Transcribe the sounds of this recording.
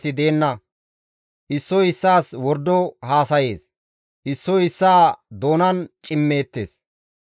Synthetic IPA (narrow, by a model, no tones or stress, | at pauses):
ɪd̪e̞ːnːɐ | ʔɪsːɔɪsːaːswɔɾd̪ːɔhaːsɐje̞ːs | ʔɪsːɔɪsːaːd̪o̞ːnɐnt͡ʃʼɪmːe̞ːt̪ːḛːs